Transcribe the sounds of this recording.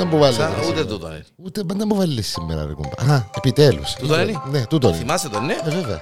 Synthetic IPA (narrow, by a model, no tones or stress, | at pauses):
ɐmbuvɐlːut̪et̪ut̪o̰nḛn | ut̪emɐnd̪ɐmbuvɐlːisːimːḛɾɐ̰ɾḭkṵmbɐ̰aepit̪elṵsuoninet̪ut̪oniimaset̪onːeeveveɐ̰